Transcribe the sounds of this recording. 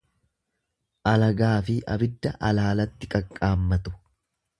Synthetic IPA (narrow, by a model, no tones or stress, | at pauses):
ʔɐlɐɡaːfɪʔɐ̰bɪd̪ːɐʔɐlaːlɐt̪ːɪkʼɐkʼːaːmːɐt̪ʊ̥